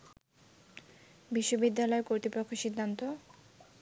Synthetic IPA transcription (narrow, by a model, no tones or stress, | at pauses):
biʃːobid̪ːalɔekoɾt̪ipokʰːoʃid̪ʱːant̪o